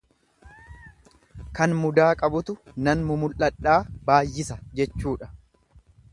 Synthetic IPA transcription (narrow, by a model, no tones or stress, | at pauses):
kɐnmʊd̪aːkʼɐbʊt̪ʊnɐnmʊmʊlʔɐᶑːaːbaːjːɪsɐd͡ʒɛt͡ʃːuːᶑɐ̥